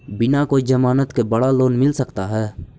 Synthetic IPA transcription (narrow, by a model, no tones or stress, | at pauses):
bɪnakod͡ʒəmaːnət̪kebɐɽaloːnmɪlsəkt̪aɦɛː